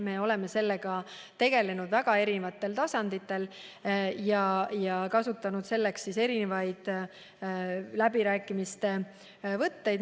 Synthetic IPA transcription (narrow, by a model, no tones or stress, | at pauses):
me̞o̞le̞me̞se̞lːe̞ɡ̥ɑ | t̪e̞ɡ̥e̞le̞nud̪̥væɡɑe̞ɾinevɑt̪ːˑe̞lt̪ɑsɑnd̪it̪ːˑe̞l | jɑjɑkɑsut̪ːˑɑnud̪̥se̞lːe̞kssise̞ɾine̞vɑjd̪̥ | læbiɾæːkːˑimist̪e̞ | vɤt̪ːe̞jd̪